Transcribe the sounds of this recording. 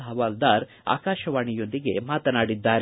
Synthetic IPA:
ɦɐʋaːld̪aːɾ | a̰ːkaːʃɐʋaːɳijo̞nd̪iɡe̞maːt̪ɐnaːɽid̪ːaːɾe

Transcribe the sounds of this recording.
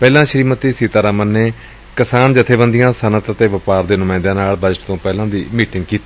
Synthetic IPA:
pɛːlãːʃəɾiːmət̪ːiːsiːt̪aːɾaːmənːeː | kəsaːnd͡ʒɪt̪ʰeːbə̃nd̪ɪjãːsənət̪ət̪eːʋəpaːɾd̪eːnʊmãːɪ̃nd̪ãːnaːlbəʈt̪õːpɛːlãːd̪iːmiːʈɪ̃ŋɡ̚kiːt̪iː

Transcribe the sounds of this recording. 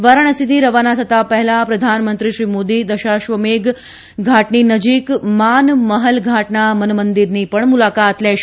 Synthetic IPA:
ʋaɾəɳ̃əsit̪iɾəʋanat̪ʰət̪apəɦɛlapɾəd̪ʱanmənt̪ɾiʃɾimod̪id̪əʃaʃʋəmek | ɡʱaʈninəd͡ʒikmanməɦəlɡʱaʈnamənmənd̪iɾnipəɳmulakat̪lɛʃ

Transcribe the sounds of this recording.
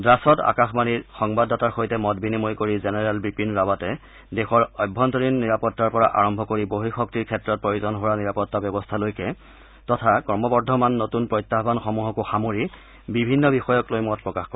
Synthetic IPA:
dɹasɔta̰kaxmaniɹxɔŋbadɔtaɹxojtɛmɔt̚binimojkoɹizɛnɛɹɛlbipinɹawatɛ | dexɔɹɔjbʱːɔntɔɹinːiɹapɔtːaɹpɔɹa̰ʔa̰ɹɔmbʱɔkoɹiboɦixɔk̚tiɹkʰɛtɹɔt̚pɹojuzɔnɦowaniɹapɔtːabjɔbɔstʰalojkɛ | tɔtʰakɔɹmɔbɔdʱɔmanːotunpɹɔjtːaɦbanxɔmuɦɔkʊxamoɹi | bibʱinːɔbixɔjɔklojmɔt̚pɹɔkaxkɔ

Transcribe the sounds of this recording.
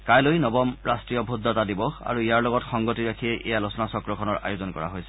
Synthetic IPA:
kajlojnɔbɔmɹastɹijɔbʱudʱːɔtadibɔa̰ɹuijaɹlɔɡɔtxɔŋɡotiɹakʰiɛʔɛ̰jalɔsɔnasɔkɹɔkʰɔnɔɹa̰jozɔnkɔ̰ɹa̰ɦojsɛ̥

